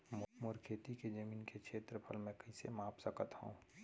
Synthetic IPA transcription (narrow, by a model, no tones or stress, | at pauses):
mʊmʊɾkʰeːt̪iked͡ʒəmiːnkekʰʃeːt̪ɾəpʰəlmɛ̃kəisḛmaːpsəkət̪hṵ̃ː